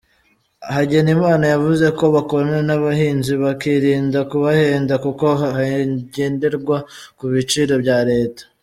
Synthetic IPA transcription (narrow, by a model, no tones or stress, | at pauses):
haɟe̞nimaːnajavuze̞ko̞βako̞ɾmenaβaɦiːnziβakiɾiːndakuβahe̞ːndakuko̞haɟeːndeɾɡwakuβit͡ʃiːɾo̞bɟaːɾe̞ːtḁ